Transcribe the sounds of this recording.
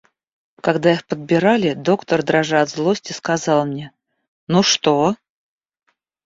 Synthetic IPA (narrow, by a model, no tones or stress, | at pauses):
kɐɡd̪aɪxpəd̪̚bʲɪɾalʲɪd̪o̞kt̪ərd̪ɾɐʐaɐd̪zlˠosʲtʲɪskɐzɑlˠmnʲe | nuʂt̪o